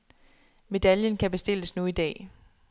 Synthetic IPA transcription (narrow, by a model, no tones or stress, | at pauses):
me̝d̥æljənkʰæb̥e̝sd̥e̝l̰əsnuid̥ɛ̰ː